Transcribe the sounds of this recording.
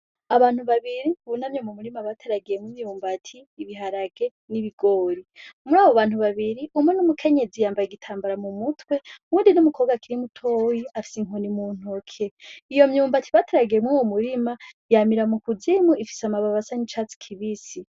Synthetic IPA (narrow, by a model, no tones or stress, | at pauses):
aβaːn̥uβaβiɾiβunamɲomumuɾimaβatʰeɾaɡijemwimjuːmbatʰiːβiɦaɾaɡe̞ | niβiɡo̞ːɾimuɾaːβoβaːn̥uβaβiɾiʔumwenumukʰe̞ɲe̞zijaːmbajeɡitʰaːmbaɾamumutwe̞wuːndinumuko̞ːɡakiɾimutʰojiafi̥siŋonimuːn̥okʰeijo̞mjuːmbatʰiβateɾaɡije̞mŋuwomuɾima | jamiɾamukuzimuifi̥samaβaβasaɲit͡ʃat͡si̥kʰiβisi